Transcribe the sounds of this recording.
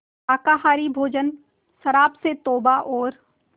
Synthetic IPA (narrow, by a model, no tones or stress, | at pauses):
aːkaːɦaːɾibʱoːd͡ʒən | ʃɐɾaːpset̪oːbaʔɔːɾ